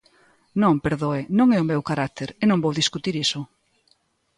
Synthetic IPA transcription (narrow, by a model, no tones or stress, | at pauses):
nõŋpeɾðoenõŋɛʊmewkaɾak̚t̪eɾenõmbowðiskut̪iɾisʊ